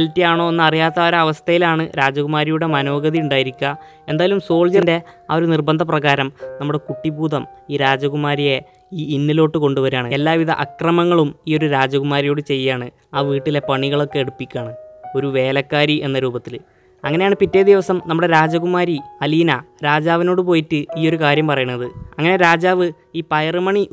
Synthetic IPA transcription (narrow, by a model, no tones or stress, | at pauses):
ɐltːijaːɳo̞ːenːɨɐrijaːt̪ːɐoɾɐɐʋɐst̪ʰɐjilaːɳɨɾaːd͡ʑɐɣumaːɾijuɽe̞mɐno̞ːɡɐðiuɳɖaːjiɾikʲːɐ | e̞nd̪aːjɐlumso̞ːɭd͡ʑɐnde̞ɐ̰o̞ɾunirbɐnd̪ʱɐprɐɣaːɾɐmnɐmːuɽe̞kuʈːibuːd̪ɐmiːɾaːd͡ʑɐɣumaːɾije̞ | iːinːilo̞ːʈːɨko̞ɳɖuʋɐɾaːɳɨelːaːʋiðɐ̰ʔɐkrɐmɐŋːɐɭumiːo̞ɾuɾaːd͡ʑɐɣumaːɾijo̞ːɽɨt͡ɕe̞jːaːɳɨ | aːʋiːʈːile̞pɐɳiɣɐɭo̞kːe̞eɽupːikʲːaːɳɨo̞ɾuʋe̞ːlɐkːaːɾiʔe̞nːɐɾuːbɐt̪ːil | ɐŋːɐnejaːɳɨpitːejd̪iʋɐsɐmnɐmːuɽe̞ɾaːd͡ʑɐɣumaːɾiɐliːnɐɾaːd͡ʑaːʋino̞ːɽupo̞ːjitːɨiːo̞ɾukaːɾjɐmpɐrɐjunːɐðɨɐŋːɐne̞ɾaːd͡ʑaːʋɨ | iːpɐjɐrɨmɐɳi